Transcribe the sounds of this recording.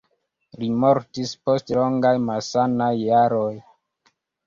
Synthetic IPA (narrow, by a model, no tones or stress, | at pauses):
limoɾtispostlo̞ŋɡajmalsanajːaɾoj